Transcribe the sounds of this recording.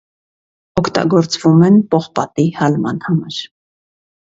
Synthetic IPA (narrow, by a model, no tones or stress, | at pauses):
ɔkʰt̪ɑ̰ɡɔɾt͡svumɛnpɔχpɑt̪ihɑlmɑnhɑmɑɾ